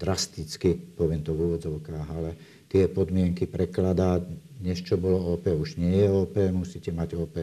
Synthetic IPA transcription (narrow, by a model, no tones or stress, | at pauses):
d̪̥ɾast̪it͡skipɔʋɪɛmt̪ɔvuːʋɔd͡zɔʊkaːɦalɛ | t̪ɪɛpɔd̪mɪɛŋkipɾɛklad̪aːɲɛst͡ʃɔbɔlɔɔːpɛːuʒɲɪɛjɛɔːpɛmusicɛmaɟɔːpɛ